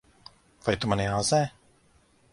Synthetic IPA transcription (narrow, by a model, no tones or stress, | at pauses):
vajt̪umaniazɛː